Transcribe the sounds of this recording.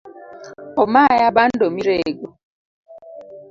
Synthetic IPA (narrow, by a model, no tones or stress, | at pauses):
ɔmajabandomiɾeɡo